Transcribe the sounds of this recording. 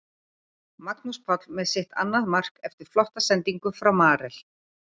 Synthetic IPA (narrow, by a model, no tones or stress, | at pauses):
maknuspʰat̪lmɛðsɪht̪a̰nːaðmar̥kɛft̪ɪɾ̥flɔht̪asɛnt̪iŋkʏfɾawmaːɾɛl̥